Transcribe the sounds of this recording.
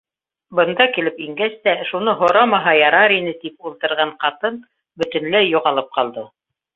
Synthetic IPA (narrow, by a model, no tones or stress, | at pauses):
bɤ̆nd̪ɑkilɘpiŋɡæst̪æʃunɤɦŏɾɑmɑɦɑjɑɾɑɾinɘt̪ip̚ulˠt̪ɤ̆ɾʁɑɴqɑt̪ɤn | bɵ̆t̪ɵ̆nlæjːuʁɑlˠɤp̚qɑlˠd̪ɤ